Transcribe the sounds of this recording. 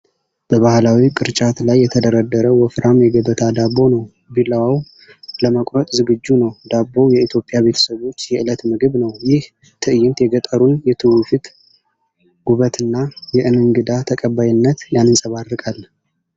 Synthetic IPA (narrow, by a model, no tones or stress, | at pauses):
b̥əβahlawikʼɨɾt͡ʃʼat̪lajːɛt̪ʰəd̪əɾad̪ːəɾəwɔfɾamjɛɡəbət̪ʰad̪abːo̞nəw | biləwaw | ləməkʼɾət̪ʼzɨɡɨd͡ʒːunəwd̪abːo̞jɛit̪ʰjo̞pʼjaβe̞t̪ʰə̥səβo̞t͡ʃːjɛʔɨlət̪mɨɡɨβnəwjɪh | t̪ʰɨʔɨjɪnt̪jɛɡət̪ʼəɾunjɛt̪ʰɨwufit̪ | ɡ̥uβət̪ɨnːajɛʔɨnɨŋɡɨd̪at̪ʰəkʼəbːajɪnːət̪janɨnsʼəβarːɨkʼalː